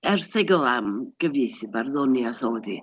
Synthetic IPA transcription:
ɛrθɛɡəlˠamɡ̥əviθɨbarðɔnjaθoːdi

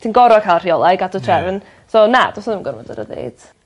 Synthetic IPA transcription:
tʰiːnɡɔɾɔkʰalˠriɔlˠajɡadɔtʰrɛvən | sonad̥ɔsɔðɪmɡərvɔdə̰ɾə̰ðḛjd̥

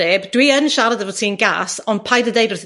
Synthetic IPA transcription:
ebd̥wiənʃaɾədəvɔtʰiːənɡa̰sɔnpʰajdədejdʊrθ

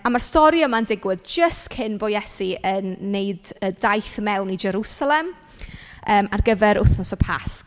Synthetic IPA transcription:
amarstɔɾiəmandɪɡwɪðd͡ʒəstkʰɪnboːjɛsiənːejdədajθmɛwnid͡ʒɛɾusalˠɛm | əːmarɡəvɛɾʊ̰θnɔsɔpʰa̰sk

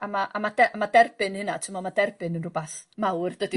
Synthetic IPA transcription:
amaʔamadɛʔmadɛrb̥ɨnhɪnatʰəmɔmadɛrbɪnənrʊbaθmawrd̥ədi

